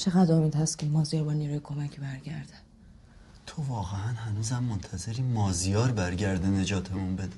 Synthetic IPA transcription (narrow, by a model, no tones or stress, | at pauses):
t͡ʃʰeɣæd̪ɾomid̪hæst̪kʰʲemɒːzijɒːɾbɒːniːɾuːjekʰo̞mæcʰbæɾɟæɾd̪æ̥ | t̪ʰovɒːɣeænɦænuːzæmːont̪ʰæzeɾiːmɒːzijɒːɾbæɾɟæɾd̪ene̞d͡ʒɒːt̪ʰemunbe̞d̪e